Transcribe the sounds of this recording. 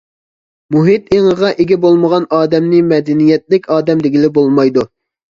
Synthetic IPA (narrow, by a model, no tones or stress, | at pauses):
muɦɪt̪eŋəʁɑʔeɡʲɛbolˠməʁɑnɑːd̪ɛmnɪmɛd̪ɛnijɛt̪̚lɪkʲɑːd̪ɛmd̪ɪɡʲɪlɪbolˠmɑjd̪u